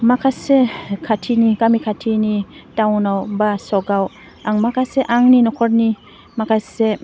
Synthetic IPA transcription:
makʰasekʰatʰinikamikʰatʰinitawnawbasɔɡaw | aŋmakʰaseʔaŋninɔkʰɔɾni | makʰase

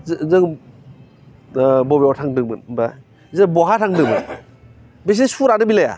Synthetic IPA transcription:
zɯŋ | bɔbiɔtʰaŋdɯmɯnba | zɯbɔɦatʰaŋdɯŋmɯn | bes̬isuɾanɯbilaja̰

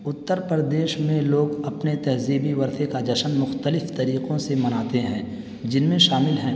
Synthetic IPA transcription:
ʊt̪ːəɾpəɾəd̪eːʃmẽloːɡɐpnet̪ɛɦziːbiʋɐɾt̪ʰekad͡ʒɐʃənmʊxt̪əlɪft̪ɐɾiːqõsemɐnaːt̪eɦɛ̃ː | d͡ʒɪnmẽʃaːmɪlɦɛ̃ː

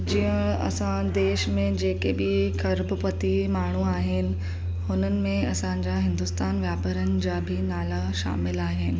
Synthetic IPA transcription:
d͡ʑiːə̃ɐ̰sãd̪eːʃmẽd͡ʑeːkebɪkʰɐɾbʊpɐt̪imaːɳ̤uaːɦɪnɪ̆ | hʊnənɪ̆mẽɐsãd͡ʑaɦɪ̃nd̪ʊst̪aːnʋjaːpəɾənɪ̆d͡ʑaːbʱɪnaːlaʃa̰ːmɪlaːɦɪnɪ̆

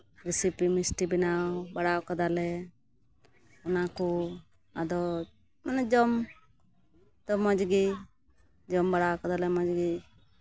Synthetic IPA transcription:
ɾisipimisʈibinawbaɽawkad̪alɛ | ɔnaku | ad̪ɔ | manɛd͡ʒɔm | t̪ɔmɔd͡ʒɡi | d͡ʒɔmbaɽawkɔd̪alɛmɔd͡ʒɡi

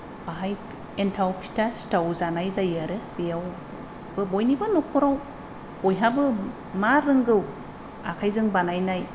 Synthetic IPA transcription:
b̥aɦaj | entʰawkʰi̥tʰastawzanajzajaɾɯbejaw | bɯbɔjnibanɔkʰɔɾaw | b̥ɔjɦabɯ | maɾɯŋɡɯw | akʰajzɯŋbanajnaj

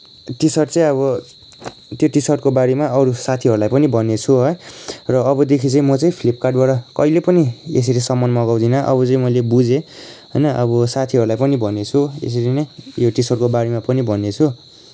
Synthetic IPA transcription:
ʈisʌʈt͡sʌĩʌβʌ | t̪joʈisʌʈkobaɽemaʌɾusat̪ʰiɦʌɾulajpʌnibʱʌnːet͡sʰuɦʌjrʌːbʌd̪ekʰit͡sʌĩmʌt͡sʌĩpʰlipkaʈbaɽʌkʌilepʌniḛs̬ʌɾisʌmːʌnmʌɡaw̃d̪inʌʔʌ̰bʌt͡sʌ̃ĩmʌjlebud͡zeɦʌjnʌʔʌbʌsat̪ʰiɦʌɾulajpʌnibʱʌnet͡sʰuḛs̬ʌɾinʌjoʈisʌɽkobaɽemapʌnibʱʌnːet͡sʰu

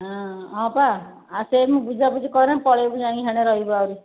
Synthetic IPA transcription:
ɦɔ̃ɔ̃paː | semũbud͡ʒʱaput͡ʃikɔɾepɔɭebud͡ʒaɽ̃ĩɦaɽ̃eɾɔɦibɔawɾi

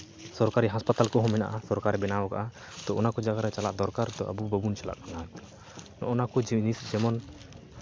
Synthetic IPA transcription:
sɔɾkaɾiɦaspat̪alkɔɦɔ̃mɛna̰ʔasɔɾkaɾɛbɛnawka̰ʔa | t̪ɔɔnakɔd͡ʒaɡaɾɛt͡ʃalaʔd̪ɔɾkaɾt̪ɔʔə̰bubəbunt͡ʃala̰ʔkanat̪ɔ̥ | nɔ̰ʔɔnakɔd͡ʒnisd͡ʒɛmɔn

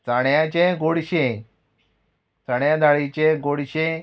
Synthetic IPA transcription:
t͡saɳjãt͡ɕẽɡoɽɕẽ | t͡saɳjãd̪aɭit͡ɕẽɡoɽɕẽ

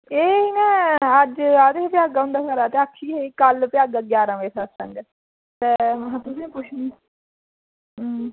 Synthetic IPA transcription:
eːnɛ̃ːəd͡ʒaːd̪epɪjaːɡaːɦʊ̃nd̪aːkəɾaːt̪eːəkʰːiːkəlpɪjaːɡaːɡjaːɾãːʋeːsʰasəŋɡ | t̪eːɦãːt̪ʊsĩːpʊt͡ʃʰn

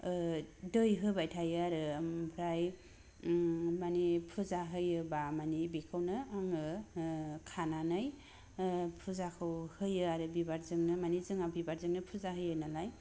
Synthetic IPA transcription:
dɯjɦɯbajtʰajɯaɾɯmpʰɾaj | manipʰuzaɦɯjɯbamanibikʰɯwnɯaŋɯ | kʰananɯj | pʰuzakʰɯwhɯjɯaɾɯbibaɾzɯŋnɯmanizɯŋabibaɾzɯŋnɯpʰuzaɦɯjɯnalaj

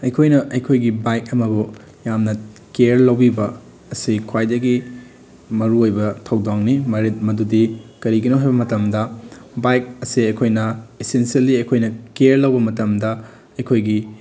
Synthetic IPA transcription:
ɐjkʰojnɐʔɐjkʰojɡibajk̚ɐmɐbu | jamnɐkeɾlɐwbibɐː | sikʰwajdɐɡi | mɐɾuojbɐtʰɐwdaŋnimɐɾet̚mɐdudikɐɾiɡinoɦajbɐmɐtɐmdɐbajk̚ɐsiɐjkʰojnɐesensiɐlːiɐjkʰojnɐkeɾlɐwbɐmɐtɐmdɐ | ɐjkʰojɡi

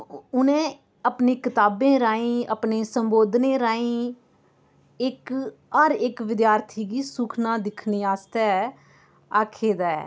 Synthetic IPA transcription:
ʊnẽː | əpneːkɪt̪aːbẽːɾaːĩːʔəpnẽːsəmboːd̪nẽːɾaːĩː | ɪk | əɾɪkʋɪd̪jaːɾt̪ʰiːɡiːsʊkʰnãːd̪ɪkʰniːaːst̪ɛː | aːkʰeːd̪aːɛ̰ː

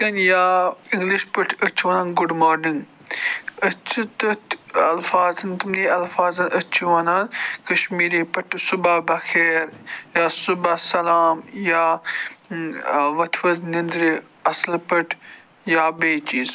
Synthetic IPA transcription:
kɐnjaːiŋɡliʃpɐʈʰɐt͡ʃʰʋɐːnaːnɡʊɖmoːɾniŋɡ | ɐt͡ʃʰit̪ɨt̪ʰɐlfaːzɐnt̪ɐmniːɐlfaːzɐnɐt͡ʃʰiʋɐːnaːnkɐʃmiːɾiːpɐʈʰsubabɐxʰeːɾjaːsubasɐlaːmjaː | ʋɐt̪ʰʋɐznind̪ɾi | ɐslpɐʈʰ | jaːbeːt͡ʃiːz

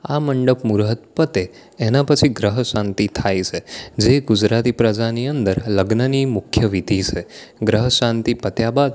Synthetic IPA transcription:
a̰məɳɖəpmuɾɦət̪̚pət̪eː | napət͡ʃʰiɡɾəɦəʃãnt̪it̪ʰajt͡ʃʰed͡ʒeɡud͡ʒɾat̪ipɾəd͡ʒaniənd̪əɾləɡnənimʊkʰjəʋid̪ʱit͡ʃʰeɡɾəɦəʃãnt̪ipət̪jabad̪

